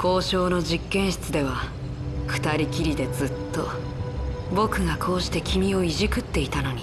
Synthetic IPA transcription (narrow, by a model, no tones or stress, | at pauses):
kʰo̞ːɕo̞ːno̞ʑikːẽ̞ɰ̃ɕi̥t͡sɨd̪e̞β̞a | ɸɯ̟̥t̪aɾʲikʲiɾʲid̪e̞d͡zɨt̪ːo̞ | bo̞kɯ̟ɡakʰo̞ːɕi̥t̪e̞kʲʰimʲio̞iʑikɯ̟t̪ːe̞it̪ano̞ɲ̟i